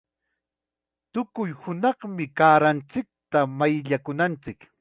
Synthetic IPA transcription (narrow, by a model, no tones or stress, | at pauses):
t̪ʊkʊjhʊnɑχmɪkaːɾant͡sɪk̚t̪amajʎakʊnant͡sɪk